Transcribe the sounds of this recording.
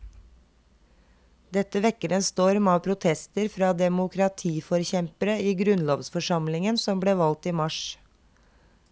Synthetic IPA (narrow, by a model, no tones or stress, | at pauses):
d̪ɛt̪əʋɛkəɾənst̪oːɾmɑːpʰɾʊt̪ʰɛst̪əɾfɾɑːd̪ɛmʊkʰɾɑt̪ʰiːfɔɾçɛmpəɾəiːɡɾʉnloːʋsfɔʂɑmlɪŋənsɔmbleːʋɑlt̪iːmɑʃ